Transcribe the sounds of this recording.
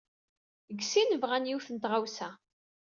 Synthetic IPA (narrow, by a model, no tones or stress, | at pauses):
ɡsinəvʁænjuθənt̪ʁawsæ